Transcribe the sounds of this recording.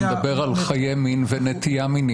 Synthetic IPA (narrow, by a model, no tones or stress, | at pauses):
d̪ɐbeʁalχajeminvenet̪ijamini